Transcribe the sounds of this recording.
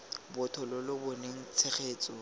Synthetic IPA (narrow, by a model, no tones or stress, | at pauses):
bʊtʰɔlɔlʊbɔneŋ̩t͡sʰeχeːt͡sʼɔ